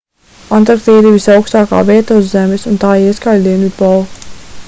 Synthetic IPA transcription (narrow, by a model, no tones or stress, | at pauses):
ant̪ɾaɾkt̪iːd̪ivisawkst̪aːka̰ːviɛt̪auzːɛmesunt̪aːiskald̪iɛnut̪̚bɔl